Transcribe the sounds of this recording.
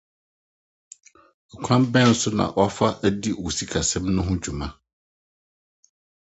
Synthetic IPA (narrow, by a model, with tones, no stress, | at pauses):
kʷʰã˦mbɛ̃˦n̩˦sʊ˦nã̰˨ʔɔ˦fa˦ʔæ˦di˦wo˨si˦kʰa˨sɛ̃˦mnʊ̃˦ɦʊ̃˦d͡ʑᶣu˨mã˦